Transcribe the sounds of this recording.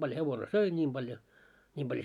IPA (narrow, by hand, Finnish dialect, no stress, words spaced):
b̥ɑljo heʋone søi nʲiːm b̥ɑljo nʲiːm b̥ɑljo